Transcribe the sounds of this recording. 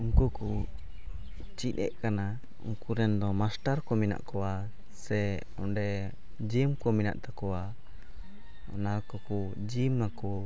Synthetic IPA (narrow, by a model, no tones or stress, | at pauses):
uŋkuku | t͡ʃinɛ̰ʔkana | ṵŋkuɾɛnd̪ɔmasʈaɾkɔmina̰ʔkɔwa | sɛ | ɔ̰ɖɛ | d͡ʒimkɔmina̰ʔt̪akɔwa | ɔ̰naɾkɔku | d͡ʒimnakɔ